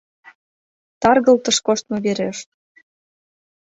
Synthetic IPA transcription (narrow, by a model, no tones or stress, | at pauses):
t̪ɑrɣə̆lt̪ə̆ʃkoʃt̪̚mŏβeɾḛəʃt̪